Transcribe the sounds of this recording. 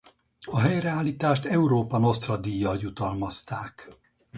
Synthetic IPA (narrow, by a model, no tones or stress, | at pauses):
ɒɦɛjrɛaːlːiːt̪aːʃt̪ɛuɾoːpɒno̞st̪rɒd̪ijːɒljut̪ɒlmɒst̪aːk